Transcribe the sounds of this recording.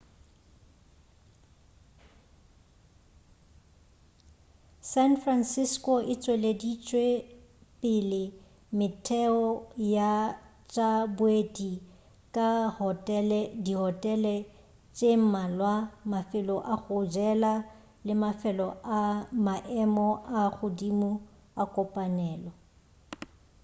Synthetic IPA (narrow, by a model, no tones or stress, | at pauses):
sanfransɪskʼɔʔɪt͡sʼweledit͡ʃʼwepʼɪlɪ | mɪtʰɛɔja | t͡ʃʼabʊedi | kʼahtʼɛlɛdiɦɔtʼɛlɛ | t͡ʃʼem̩malwamafɪlɔʔaχʊd͡ʒɛla | lɪmafɛlɔʔamaʔɛmɔaɣʊdimu | akʼɔpʼanɛːlɔ